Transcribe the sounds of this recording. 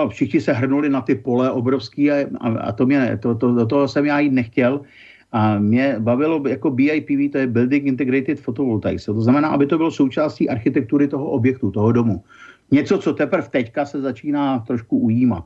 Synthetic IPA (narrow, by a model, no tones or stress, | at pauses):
nofʃɪxɲɪsɛɦr̩nulɪnat̪ɪpo̞lɛʔobɾo̞fskiːaa̰a̰t̪omɲɛt̪ot̪odot̪̬oɦosɛmjaːjiːt̪nɛxcɛl | ʔamɲɛbavɪlo̞jako̞biːajpiːviːt̪ojɛbɪldɪŋkɪnt̪ɛɡɾɪt̪ɪt̪fot̪ovolt̪a̰jsɛt̪o̞znamɛnaːʔabɪt̪obɪloso̞wt͡ʃaːsciːʔaɾxɪt̪ɛk̚t̪uɾɪt̪o̞ɦoʔobjɛk̚t̪ut̪oɦodo̞mu | ɲɛt͡sot͡so̞t̪ɛpr̩ft̪ɛckasɛzat͡ʃiːnaːt̪ɾoʃkuʔujiːma̰t̪̚